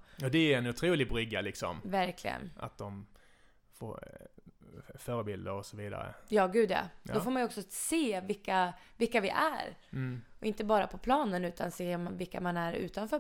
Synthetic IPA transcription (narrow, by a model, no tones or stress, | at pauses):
ɔd̪ɛæɾɛnʊt̪ʰɾuːlɪɡbɾʏɡːalɪksɔ̰mvæɾkʰlɪ̰ɡə̰na̰t̪̚d̪ɔm | fo̰ː | fœːɾəbɪld̪əɾɔsɔviːd̪a̰ɾə̰jɑːɡʉ̟ːd̪ɛ̰d̪ɔfoːɾmanjɔksɔseːvɪlkːavɪlkːavɪʔæ̰ɾɔɪnt̪əbɑːɾapʰɔpʰlɑːnənʉ̟ːt̪ʰanseːmvɪlkːamanæɾʉ̟̰ːt̪anfœː